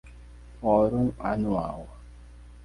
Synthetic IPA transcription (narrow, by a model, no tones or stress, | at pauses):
ɔɾuŋa̰nua̰wa